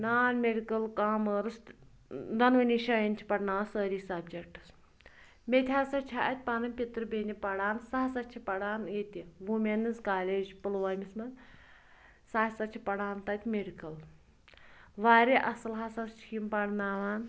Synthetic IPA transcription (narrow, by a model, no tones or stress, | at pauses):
naːnmeɖikɐlkaːməːɾɨs | d̪ɐnʋɐniʃɐjɐnʲt͡ʃʰi̥pɐʈnaːsəːɾiːsɐbd͡ʒek̚ʈɨ̥s | met̪ʲʰaːsɐt͡ʃʰaʔɐt̪̚ʲpɐnɐmʲpʲit̪ɾɨbeːnʲipɐɽaːnsaɦsɐt͡ʃʰipɐɽaːnet̪ʲiʋumʲenɨzkaːlʲeːd͡ʒpɨlʋɐːmʲismɐn | saːsɐt͡ʃʰipɐɽaːnt̪ɐt̪ʲmeɖikɐl | ʋaːɾeʔɐsɐlɦasɐst͡ʃʰimpɐɽnaːʋaːn